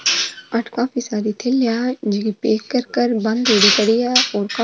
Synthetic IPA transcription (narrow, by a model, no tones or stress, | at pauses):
ɐʈʰkãːpʰisaːɾit̪ʰelːjad͡ʒɪpeːkːəɾkəɾbɐ̃nd̪oːɽikəɽijaɔːɾka